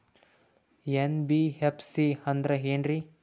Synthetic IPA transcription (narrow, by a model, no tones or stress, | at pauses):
enbiɦepʰsiɐnd̪ɾɐɦeːnɾi